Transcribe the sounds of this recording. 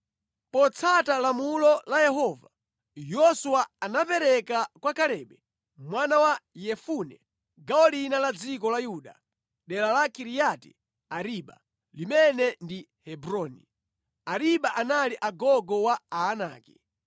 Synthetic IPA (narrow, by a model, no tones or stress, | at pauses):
pɔt͡sʰatalamulɔlajɛhɔva | jɔsuwaanapɛɾɛkakwakalɛːɓɛ | mwanawajɛfunɛ̰ | ɡaɔlinalad͡zikɔlajuɗa̰ | ɗɛlalakiɾijatḭ | aɾiɓa̰ | limɛnɛndi | hɛbɾɔːnḭ | aɾiɓaʔanaliʔaɡɔɡɔwaaːna̰ːki